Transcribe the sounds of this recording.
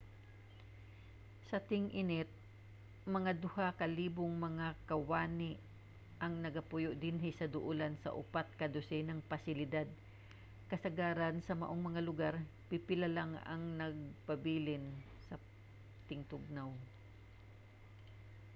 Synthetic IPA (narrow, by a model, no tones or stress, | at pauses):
sɐt̪ɪŋʔɪnɪt̪̚ | mɐŋad̪ʊhakɐliːbʊŋmɐŋakɐwaːnɪ | ʔɐŋnɐɡɐpʊjʊʔd̪ɪnɦɪsɐd̪ʊʔulansɐ̰ʔʊ̰pat̪̚kɐd̪ʊsɛnɐŋpɐsɪlɪd̪ad̪̚ | kɐsɐɡaːɾɐnsɐmɐ̰ʔoŋmɐŋalʊɡaɾ | pɪpɪlalaŋɐ̰ŋnɐɡ̚pɐbiːlɪn | sɐ | t̪ɪŋt̪ʊɡ̚naw